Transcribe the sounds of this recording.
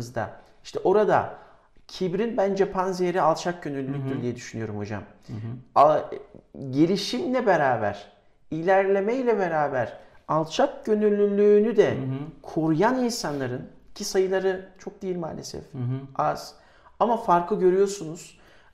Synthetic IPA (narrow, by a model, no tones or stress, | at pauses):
ɯzd̪a̰ | iʃt̪ʰɛʔo̞ɾad̪a̰ | cʰibɾinbænd͡ʒɛpʰanzejeɾialˠt͡ʃʰak̚ɟø̞nylʲlʲːyc̚ʲd̪yɾd̪ijɛd̪yʃynyjo̞ɾumo̞d͡ʒa̰m | ɟelʲiʃimlʲɛbeɾaːbæ̰ɾ̥ | ilʲæɾlʲe̞mɛjlʲɛbeɾaːbæɾ̥ | alˠt͡ʃʰak̚ɟø̞nylʲːylʲːyːnyd̪ɛkʰo̞ɾujaninsanlˠaɾɯn | cʰisajɯlˠaɾɯt͡ʃʰo̞k̚d̪ijilʲma̰ːlʲesɛ̰faz̥ | amafaɾkʰlˠɯɟø̞ɾyjo̞ɾsunuz̥